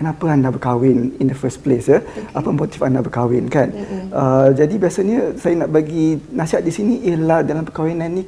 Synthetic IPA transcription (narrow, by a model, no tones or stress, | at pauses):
kənapaandabəkawɪnindəfəsplesəʔapəmot̪ifandabəkawɪnkanəd͡ʒadibiasaɲəsajanaʔ̚baɡinasiɦat̪̚disiniʔeladalampəkawɪnanĩ